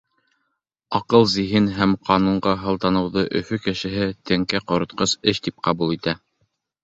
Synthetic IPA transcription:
ɑqɤlˠziɦinɦæmqʰɑnuɴɢɑɦɤ̆lˠt̪ɑnɤ̆wðɤʔɵ̰̆fɵkɘ̆ʃɘ̆ɦɘt̪ɘ̆ŋkæqŏɾŏt̪̚qɤsɘʃt̪ip̚qɑbulˠit̪æ

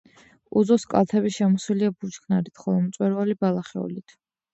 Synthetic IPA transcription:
uzɔskʼa̰lˠt̪ʰɛbiʃɛmɔswiliabut͡ʃkʰnaɾit̪ʰχɔlˠɔmt̪sʼwɛɾvalibalˠaχɛ̰ṵlit̪ʰ

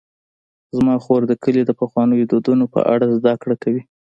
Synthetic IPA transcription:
zmɑxoɾd̪əkəlid̪əpaxwɑnəjod̪od̪unopə̰ʔa̰ɽazd̪akɽakawi

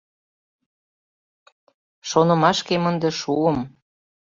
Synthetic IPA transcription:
ʃonɤ̆mɑʃkemənd̪ĕʃuəm

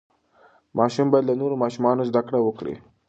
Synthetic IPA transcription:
mʔɑʃumbɑjad̪lanoɾomɑʃumɑnozd̪akɽawəkɽḭ

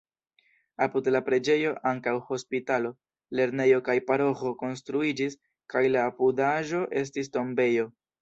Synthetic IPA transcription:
apudlapɾe̞d͡ʒe̞jo̞ʔaŋkawho̞spitalo̞ | le̞ɾne̞jo̞kajpaɾo̞xo̞ko̞ns̬tɾuid͡ʒis | kajlaːpudaʒo̞ʔe̞s̬tis̬to̞mbe̞jo̞

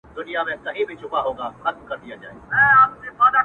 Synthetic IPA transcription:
d̪ʊnijamẽkɐ̃ɦẽbʱɪt͡ʃʰʊbaɦõːŋɡaxɐt̪̚mkɐɾd̪ijad͡ʑaːɦeɛ̃ːaːd͡ʑebaːd̪a

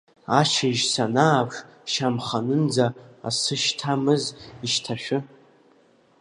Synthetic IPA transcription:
aʃaʒsanaːpʂ | ʃamχanɨnd͡zaa̰sɨʃtʰamɨziʃtʰaʃᶣʊ

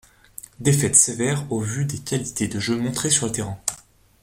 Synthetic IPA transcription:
d̪efɛt̪sevɛʁovyd̪ekʲalit̪ed̪əʒømɔ̃t̪χesyʁlət̪eʁɛ̃

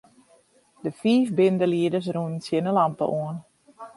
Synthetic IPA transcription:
dəfiːfbɪndəliədəs̬runnsjɪnəlampə̰ʔuən

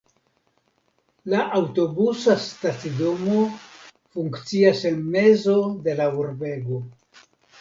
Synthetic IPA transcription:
laʔawto̞busastat͡sido̞mo̞ | fuŋkt͡siase̞nme̞zo̞de̞lauɾbe̞ɡo̞

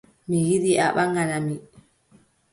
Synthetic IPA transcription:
mijiɗiʔa̰ɓaŋɡanami

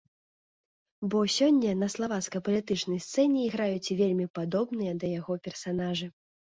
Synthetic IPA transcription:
bɔsʲɔnʲːɐnɐslˠavat̪skɐjpɐlʲit̪ɨt͡ʂnɐjst̪sɛnʲɛːɣɾajut͡sʲvʲelʲmʲipad̪ɔbnɨjɐd̪ɐjaɣɔpʲɛrsanaʐɨ

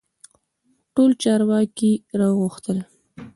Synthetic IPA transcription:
ʈolt͡ʃɑɾwɑkiɾɑwɣʊxt̪əl

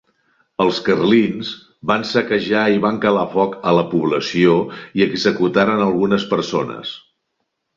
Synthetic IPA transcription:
əlˠskərlinz | bansəkəʒaiβaŋkəlafɔkələpuβ̞ləsioiəɡzəkut̪aɾənəlˠɣunəspəɾsonə̰s

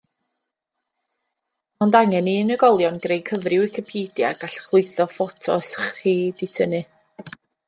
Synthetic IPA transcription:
ɔndaŋɛniənəɡɔlˠjɔnɡ̥rejkʰəvrɪwikʰəpʰiːdja̰ɡ̥aɬχlˠʊɨθɔfɔtʰɔ̰sχhiːditʰənɨ

